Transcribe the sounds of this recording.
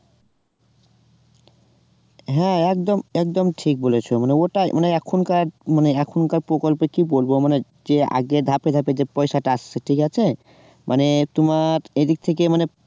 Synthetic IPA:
ɦɛ̃ɛk̚d̪omɛk̚d̪omʈʰik̚bolet͡ɕʰomaneoʈamaneɛkʰonkaɾmaneɛkʰonkaɾpɾokolpekibolbomane | d͡ʑea̰ɡeɾd̪ʱaped̪ʱaped͡ʑepɔjʃaʈaasʰeʈʰikat͡ɕʰe | mʔanet̪omaɾed̪ik̚t̪ʰek̬emane

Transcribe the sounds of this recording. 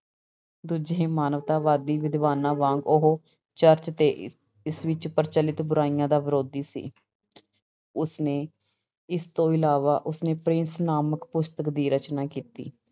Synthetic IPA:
d̪uːd͡ʒẽːmaːnəʋt̪aːʋaːd̪iːʋɪd̪ʋaːnãːʋãːŋɡʊɦoː | t͡ʃəɾt͡ʃt̪eː | ɪsʋɪt͡ʃpəɾt͡ʃəlɪt̪bʊɾaːijãːd̪aːʋəɾoːd̪iːsḭː | ʊsneː | ɪst̪õːɪlaːʋaːʔʊsneːpɾɪnsnaːməkpʊst̪əkd̪iːɾət͡ʃnaːkiːt̪ḭː

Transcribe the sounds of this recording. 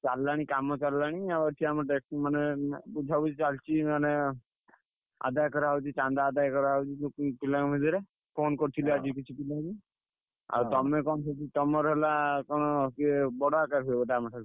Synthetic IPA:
t͡ʃalːaɽ̃ikamɔt͡ʃalːaɽ̃iabaʈʰiamɔʈekmanebud͡ʒʱabut͡ʃit͡ʃalt͡ʃʰimane | a̰d̪ajkɔɾaut͡ʃit͡ʃand̪aːd̪ajkɔɾaut͡ʃit̪upilaŋbʱid̪iɾe | pʰonkɔɾt̪ʰilɔad͡ʒik̬it͡ʃʰipilaɡi | a̰ɾt̪ɔmekɔnsʰɔt͡ʃit̪ɔmɔɾɦelakɔɽ̃ɔkebɔɽakaɾɦebɔʈaamaʈʰa

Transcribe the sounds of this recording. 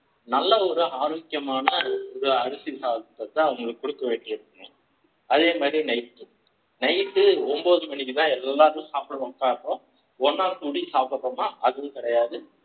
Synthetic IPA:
nɐlːɐɔɾɯaːɾɐːkɪjɐmaːnɐɔɾɯɐɾɯsisaːt̪ːɐt̪ːɐʊŋɡɐɭɯkːɔɽɯkːɐʋeːʈːɪɪɾɯkːɯnɐ̃ | ɐðeːmaːd̪ɾinɐɪt̪ːɯ | nɐɪt̪ːɯɔmboːðɯmɐɳɪkːɯt̪ãːɛlːaːɾɯ̃saːpɽɐʋɐːkːãːɪɾpːõ | ɔnːaːɾt̪uːɽisaːpɐpːɐmaːʔɐðɯʋʊ̃kɪɽɐjaːðɯ

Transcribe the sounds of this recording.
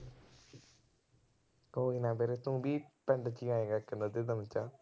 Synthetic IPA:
koːinãːbeːɾet̪ũːbiːpɛ̃ɳɖt͡ʃiːãːẽːɡaːkɪnd̪ad̪ed̪əmət͡ʃaː

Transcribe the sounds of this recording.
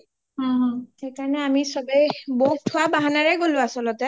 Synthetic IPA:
ɦɔ̃ɦɔ̃xejkaɹɔnɛamisɔbɛjboutʰʊwabaɦanaɹɛɡolʊ̃asɔlɔtɛ

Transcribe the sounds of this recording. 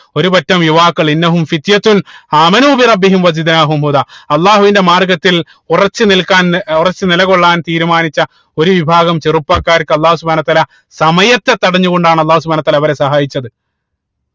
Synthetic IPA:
o̞ɾupɐtːɐmjuʋaːkːɐɭinːɐɦumfit̪jɐt̪unaːmɐnuːbirɐbːiɦimwɐzid̪naːɦumɦuðaːɐlˠˤːaːɦuʋinde̞maːrɡɐt̪ːil | urɐt͡ɕːɨnilkaːnurɐt͡ɕːɨnilɐɣo̞ɭːaːnt̪iːɾumaːnit͡ɕːɐ | o̞ɾuʋibʱaːɣɐmt͡ɕerupːaːkːaːɾkːɨɐlːaːhusubʱaːnɐt̪ːaːlɐ | sɐmɐjɐt̪ːe̞t̪ːɐɽɐɲːuɣo̞ɳɖaːɳɐlˠːaːhus̬ubʱaːnɐt̪ːaːlɐʋɐɾe̞sɐɦaːjit͡ɕːɐðɨ

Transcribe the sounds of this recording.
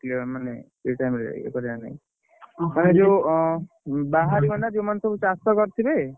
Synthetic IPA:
kliɔɾmane | eʈajmɾeɾa̰ḭḛkɔɾeanaj | maned͡ʒew | baɦaɾibɔnɖad͡ʒewmansɔbut͡ʃast̪ɔkɔɾt̪ʰibe

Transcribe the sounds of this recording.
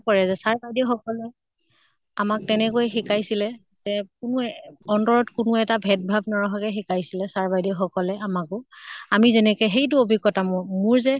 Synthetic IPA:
kɔɹɛzɛsaɹbajdixɔkɔlɛ | amak̚tɛnɛkojɛxikajsilɛ | zɛkʊnʊɔntɔɹɔtkʊnʊɛtabʱɛt̚bʱab̚nɔɹɔɦakɛxikajsilɛsaɹbajdixɔkɔlɛʔamakʊamizɛnɛkɛxejt̬ʊobʱiɡɔtamʊmʊɹzɛ

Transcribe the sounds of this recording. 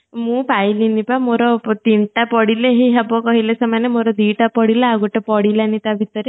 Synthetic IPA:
mũpajlinipamoɾɔt̪inʈapɔɽileɦiɦabɔkɔɦilesɔmanemoɾɔd̪iʈapɔɽilaaɡuʈepɔɽilanit̪abʱit̪ɔɾe

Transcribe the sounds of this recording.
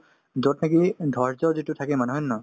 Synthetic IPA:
zɔtnekidʱɔɹzɔzitutʰakɛmanɦɔnːɔ

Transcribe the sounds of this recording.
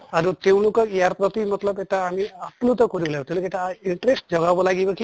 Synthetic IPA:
aɾut̪eʊ̃lokɔkijaɾpɾɔt̪imɔt̪lɔbetaːmiaplut̪ɔkoɾibɔlabɔt̪ẽw̃lokeetaiɳʈɾesʈd͡ʒɔɡabɔlaɡibɔki

